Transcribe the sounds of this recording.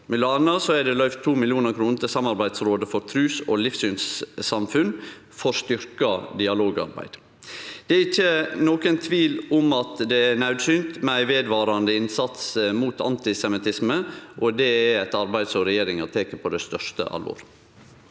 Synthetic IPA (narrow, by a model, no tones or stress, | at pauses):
mʉlɑːnɑsɔɛɖɛlœʏft̪ʰːuːmɪlɪuːnəɾkʰɾuːnt̪ʰɪlsɑmːɑɾbæɪd̪sɾoːd̪əfɔɾt̪ʰɾʉːsolɪfsyːnsːɑmfʉn | fɔɾst̪ʏɾkɑd̪ɪɑloːɡɑ̰ɾbæ̰ɪd̪̥ | d̪̥ɛæɾɪçːənoːkənt̪ʰʋiːlʊmɑt̪d̪ɛænɑʉd̪syːnt̪mɛæɪʋeːd̪ʋɑːɾɑnd̪əɪnsɑt̪smuːt̪ʰɑ̰nt̪ɪsɛmɪt̪ʰɪsməʔɔd̪ɛææt̪ɑɾbæɪd̪sɔɾɛjeːɾɪŋɑt̪ʰeːkəpʰɔd̪ɛst̪œʂtə̰ʔɑ̰lʋo̰ːɾ